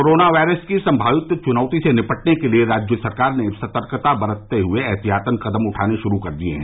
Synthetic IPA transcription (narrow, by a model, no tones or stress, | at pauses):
oːɾoːnaʋaːɪɾəskisɐ̃mbʱaːʋɪt̪ːət͡ʃʊnɔːt̪isenɪpəʈnekelieɾaːd͡ʒjəsɐɾkaːɾnesɐt̪əɾkt̪abɐɾət̪ːeɦʊeɛɦt̪iɦaːt̪ənkɐd̪əmʊʈʰaːneʃʊɾukɐɾd̪iḛɦɛ̰̃ː